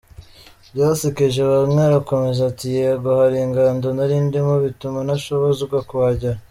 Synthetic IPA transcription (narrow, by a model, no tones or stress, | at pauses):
bjaːsikeʒaβamŋeɾako̞me̞zatijeɡohaɾiŋɡandonaɾiːndimoβitumanaʃoβozuɡakuβaɟaɾ